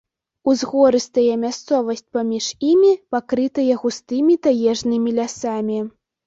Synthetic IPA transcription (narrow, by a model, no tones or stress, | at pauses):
uzɣɔɾɨst̪ɐjɛmʲast̪sɔvɐsʲt̚ʲpamʲiʂimʲipakɾɨt̪ɐjɛɣust̪ɨmʲit̪ajɛʐnɨmʲilʲasamʲi